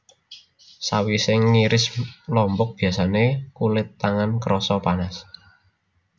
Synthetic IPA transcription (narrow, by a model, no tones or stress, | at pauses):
sawisɪŋːiɾɪslɔmbɔk̚b̥i̤a̤sanekulɪt̪ːaŋankɾɔsɔpanas